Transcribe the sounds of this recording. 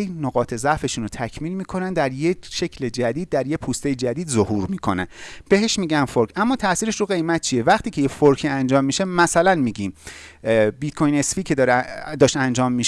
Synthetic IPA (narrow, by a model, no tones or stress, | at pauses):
enoɣɒːt̪ʰe̞zæʔfe̞ʃunot̪ʰæcʰmiːlmiːkʰo̞nænd̪æɾjeʃecʰled͡ʒæd̪iːd̪̚ːæɾjepʰuːst̪e̞jed͡ʒæd̪iːd̪zohuːɾmiːkʰo̞næ̰nb̥e̞ɦe̞ʃmiːɟænfoɾkʰæmːɒːt̪ʰæʔsiːɾeʃruɣe̞jmæt̪̚t͡ʃʰije̞væχt̪ʰiːcʰejefoɾkʰiːænd͡ʒɒːmːiʃemæsælænmiːɟiːm | bit̪kʰojne̞sfiːcʰe̞d̪ɒːɾd̪ɒːʃtænd͡ʒɒːmːiːʃ